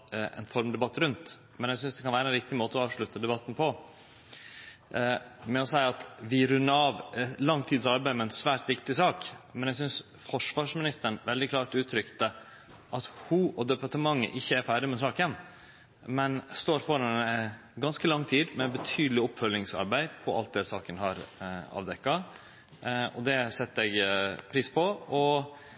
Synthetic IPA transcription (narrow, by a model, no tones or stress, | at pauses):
ɛ̰nfɔɾmd̪ɛbɑt̪ːɾʉnt̪ | mɛnæsʏnsd̪ɛkʰɑnʋæːɾəɛnɾɪk̚t̪ɪmoːt̪əɔɑːʋʂɭʉt̪ːəd̪ɛbɑt̪ːn̩pʰɔ | mɛɔsæɪɑt̪ʋɪɾʉnːəɾɑːʋɛlɑŋːt̪ʰiːd̪sɑɾbæɪmɛɛnsʋæːɾʈ̪ʋɪkt̪ɪsɑːkmɛnjæɡs̬ʏns | fɔʂʋɑːʂmɪnɪst̪əɳʋɛld̪ɪkʰlɑːɾtʉːt̪ʰɾʏkt̪ə | ʔɑt̪hʊʔɔd̪ɛpɑʈəmɑŋːə̰ʔɪçːəæɾfæːɖɪmɛs̬ɑːkən | mɛnst̪oːɾfɔɾɑn | ɡɑnskəlɑŋːt̪ʰiːd̪mɛbət̪ʰyːd̪lɪɔpfœlːɪŋsɑ̰ɾbæɪpʰɔɑ̰lt̪̚d̪ɛsɑːkənhɑɾɑ̰ːʋd̪ɛkːɑ | ɔ̰d̪ɛsɛt̪ːɛɡpʰɾiːspʰɔɔ